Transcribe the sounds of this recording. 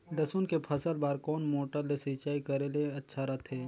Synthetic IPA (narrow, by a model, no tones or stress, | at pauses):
d̪ɐsunkepʰɐsəlbaːɾkoːnmoːʈəɾlesiːt͡ʃaːikəɾeleɐtːʃʰaɾɐt̪ʰɦeː